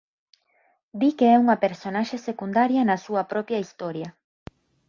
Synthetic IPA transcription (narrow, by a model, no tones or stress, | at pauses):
d̪ikeɛuŋɐpeɾsonaʃesekund̪aɾjɐnɐsuɐpɾɔpjɐist̪ɔɾjɐ